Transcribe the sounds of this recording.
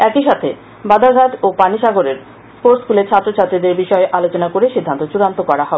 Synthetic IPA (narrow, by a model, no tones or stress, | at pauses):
ɛkiʃat̪ʰe | bad̪ʱaɡʱaʈ̪opaniʃaɡoɾeɾ | foɾskulet͡ɕʰat̪ːɾot͡ɕʰat̪ːɾid̪eɾbiʃɔeʔalot͡ɕonakoɾeʃid̪ʱːant̪ot͡ɕuɾant̪okɔɾaɦɔ